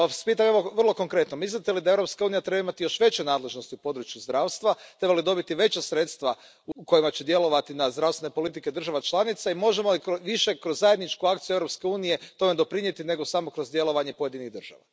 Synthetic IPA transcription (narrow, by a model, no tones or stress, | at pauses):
spiːt̪̬aɲeoʋərlˠo̞ko̞ŋkɾe̞t̪nomislit̪elid̪ae̞vɾo̞pskauːnijat̪ɾe̞baimat̪ijo̞ʃʋe̞t͡ɕunaːd̪le̞ʒno̞st̪iupo̞d̪ɾut͡ʃjuzd̪ɾaːwst̪ʋat̪ɾe̞balid̪o̞bit̪iʋe̞t͡ɕasɾe̞t̪st̪ʋa | uko̞jimat͡ɕed̪je̞loʋat̪inazd̪ɾast̪enepo̞lit̪ike̞d̪r̩ʒaʋat͡ʃlˠanit̪saimo̞ʒemolikoʋiʃekɾozːajed̪nit͡ʃkuak̚t̪sijueɾo̞pske̞uːnije̞t̪o̞me̞d̪o̞pɾiɲe̞t̪ine̞ɡo̞samo̞kɾo̞zd̪je̞lˠo̞ʋaɲe̞pojed̪iniɣd̪r̩ʒ̥a̰ʋa̰